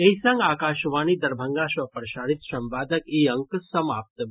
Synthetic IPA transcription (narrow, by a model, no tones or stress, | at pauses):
eisɐŋɡaːkaːʃʋaːnid̪ɐɾbʱəŋɡaːʃʋɐpəɾʃaːɽit̪ʃɐmpaːd̪əkiɐŋksɐmaːp̚t̪